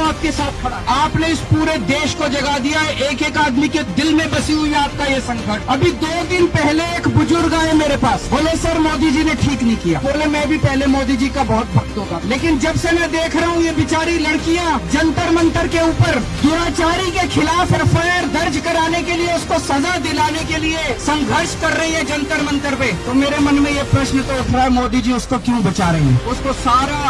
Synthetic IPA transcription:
aːp̚kesaːt̪̚ʰɐɽaaːpneɪspuːɾed̪eːʃkod͡ʒɐɡad̪ijaɛʔeːkeːkaːd̪miked̪ɪlmẽbɐsiɦʊiaːp̚kajesɐ̃ŋkəʈɐbʱid̪oːd̪ɪnpɛɦleeːkbʊzʊɾɡaːẽmeːɾepaːsboːlesɐɾmoːd̪id͡ʒinẽʈʰiːknɐɦĩkija̰ːboːlemɛ̃bʱipɛɦlemoːd̪id͡ʒikabɔɦʊt̪̚bɐkt̪ɦoːt̪aleːkɪnd͡ʒɐbsemɛ̃d̪eːkʰɾɐɦũjebɪt͡ʃaːɾilɐɽkijãd͡ʒɐ̃nt̪əɾmə̃nt̪əɾkeuːpəɾd̪ʊɾaːt͡ʃaːɾikekʰɪlaːfɔːɾfɛːɾd̪ɐɾd͡ʒkɐɾaːnekelieʊskosɐzad̪ɪlaːnekeliesɐ̃ŋɡʱəɾʃkɐɾːɐɦiɦɛd͡ʒɐ̃nt̪əɾmə̃nt̪əɾpet̪omeːɾemɐnmẽjepɾɐʃnt̪oʊʈʰɾaɦɛmɔːd̪id͡ʒiʊskokjũːbɐt͡ʃaːɾɐɦḭ̃ɦɛ̰̃ʊskosaːɾa

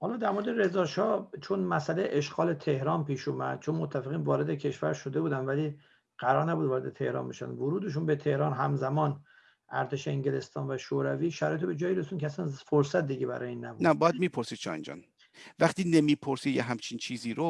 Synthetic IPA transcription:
hɒːlɒːd̪æɾmo̞ɾed̪eɾe̞zɒːʃɒːt͡ʃʰonmæsælejʔeʃɡɒːle̞t̪ʰe̞hɾɒːnpiːʃumæd̪̥̚t͡ʃʰonmot̪ʰːæfeɣiːnvɒːɾe̞d̪ecʰe̞ʃvæɾʃo̞d̪e̞buːd̪ænd̪væliː | ɢ̥æɾɒːɾnæbud̪vɒːɾe̞d̪et̪ʰe̞hɾɒ̰ːnbḛʃæ̰nd̪voɾuːd̪eʃ̬unbet̪ʰe̞hɾɒːnɦæmzæmɒːn | ʔæɾt̪ʰeʃeeŋɟele̞st̪ɒːnvæʃoɾæviːʃæɾ̰ːjet̪ʰobe̞d͡ʒɒːjiɾesund̪kʰeæsænfoɾsæt̪̚d̪iɟebæɾɒ̰jeiːnːæbuːnæbɒːjæd̪̚miːpʰoɾsid̪̚t͡ʃʰɒ̰ːjḭnd͡ʒɒ̰n | væχt̪iːnemiːpʰoɾsid̪jeɦæmt͡ʃʰint͡ʃʰiːziɾo

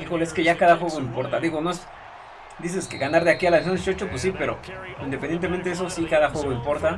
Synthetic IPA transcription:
ixoleskeʝakaðaxwe̞ɣo̞impo̞ɾt̪aðiɣo̞noes | d̪is̬eskeɣanaɾðeakialansont͡ʃot͡ʃopwes̬ipe̞ɾo̰ind̪ep̬end̪jet̪ement̪eesosikaðaxweɣoimpo̞ɾt̪a

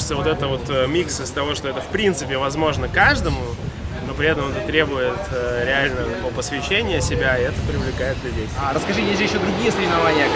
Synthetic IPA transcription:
ɪ̥t̪səvo̞t̪ɛt̪əvo̞t̪əmʲiksɨst̪ɐvo̞ʂt̪oɛt̪əfpɾʲint̪sɨpʲɪvɐzmo̞ʐnəkaʐd̪əmʊ | no̞pɾʲɪɛt̪əmɛt̪ət̪ɾʲebʊjɪt̪ːɾʲɪalʲnət̪ɐkopəsvʲɪɕːenʲɪjəsʲɪbʲaɪɛt̪əpɾʲɪvlʲɪkajɪt̪d̪lʲɐdʲejt̪ʲaɾəskɐʐɨjeʐjɪɕːod̪ɾʊɡʲijəsəɾʲɪvɪnɐvanʲɪjə

